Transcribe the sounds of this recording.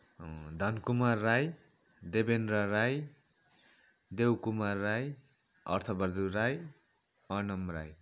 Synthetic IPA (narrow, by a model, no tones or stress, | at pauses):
d̪ʱʌnkumarːaj | d̪ebenrʌɾaj | d̪ewkumarːaj | ʌ̰rt̪ʰʌbʌrd̪uɾaj | ʌnʌmra̰j